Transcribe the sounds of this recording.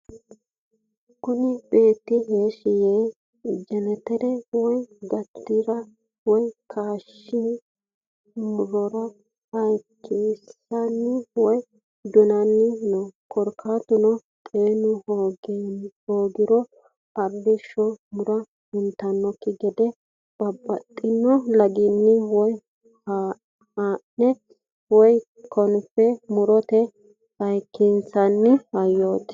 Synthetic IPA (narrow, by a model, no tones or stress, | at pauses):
kʊnɪbe̞ːt̪ːɪɦeːʃɪjeː | d͡ʒɛnɛt̪ɛɾɛwɔjɡɐt̪ːɪɾɐ | wɔjkʰaːʃːɪ | mʊɾɔɾɐ | hɐjkʰeːsːɐnːɪwɔj | d̪ɔnɐnːɪnɔkʰɔɾkʰaːt̪ʊnɔ | t̪ʼeːnʊhoːɡhoːɡɪɾɔ | ɐɾdɪʃɔmʊɾɐ | hʊnt̪ɐnːɔkːɪɡɛd̪ɛ | b̥ɐbːɐt̪ʼːɪnːɔlɐɡɪnːɪwɔj | ha | haːʔɛ | wɔj | kʰɔnpːɛmʊɾɔt̪ɛ | hɐjkːinsɐnːɪhɐjːoːt̪